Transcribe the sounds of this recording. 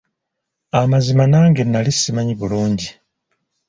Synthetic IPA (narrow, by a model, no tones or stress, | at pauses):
amazimanaːŋɡenːalisimaɲiβuluːɲɟi